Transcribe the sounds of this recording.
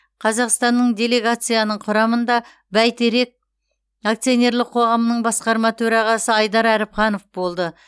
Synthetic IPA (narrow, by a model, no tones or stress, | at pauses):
qʰɑzɑqst̪ɑnːəɴd̪ʲe̞le̞ɡat̪sɨjanəɴqʰʊɾɑmənd̪ɑ | bæjt̪eɾe̞k̚ | akt̪sijo̞nʲe̞ɾlˠɪq̚ʰo̞ʁɑmənəɴbɑsqɑɾmɑt̪ʰɵɾɑʁɑsəɑjd̪ɑɾæɾɪpχɑno̞fbo̞lˠd̪ə